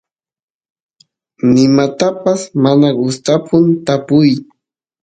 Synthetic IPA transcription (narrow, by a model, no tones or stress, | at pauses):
nɪmat̪apasmanaɡʊst̪apʰʊnt̪apʊj